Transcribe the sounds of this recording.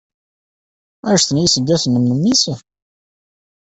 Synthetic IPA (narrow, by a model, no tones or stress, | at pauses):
æʃθənjisəd̪ːæθənːəmnəmːisə